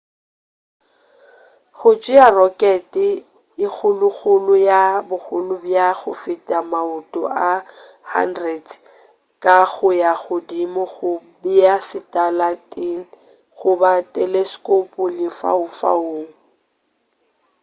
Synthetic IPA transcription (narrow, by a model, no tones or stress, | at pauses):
ɣʊt͡ʃʼɪarɔkʼɛtʼɪ | ɪk͡xʰʊlʊɣʊlʊjabʊk͡xʊlʊbjaɣʊfɪtʼamaʊtʼɔ̰ʔa | ha̰ndrɛd | kʼaɣʊjaɣʊdimʊɣʊbiasɪtʼalatʼiŋ̩ | ɣʊbatʼɛleskʼopʼʊlɪfa̰ʊfa̰oːŋ̩